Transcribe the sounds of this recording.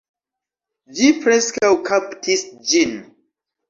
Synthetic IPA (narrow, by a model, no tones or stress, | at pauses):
d͡ʒifɾɛskawkʰaptʰisd͡ʒin